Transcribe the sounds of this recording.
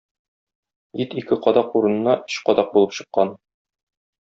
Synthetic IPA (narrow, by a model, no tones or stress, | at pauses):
jit̪ikɘqɒd̪ɑquɾɤ̆nɤ̆nːɑʔɵ̆ɕqɒd̪ɑq̚bulˠɤpɕɤ̆qːɑn